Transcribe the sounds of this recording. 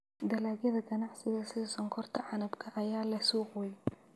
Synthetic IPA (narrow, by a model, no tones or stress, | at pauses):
d̪ɐlaːɣjɐðɐɡɐnɑʕsɪɣɐsɪðɐsɔŋkʰɔrt̪ʰɐʕɑnɐbkʰɐʔɐjaːlɐsuːqːɛj